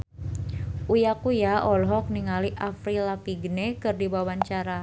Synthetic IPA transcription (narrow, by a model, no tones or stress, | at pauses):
ʔujakujaɔlɦɔk̚niŋaliʔafɾilapiɡənekɨrdibawaɲt͡ʃaɾa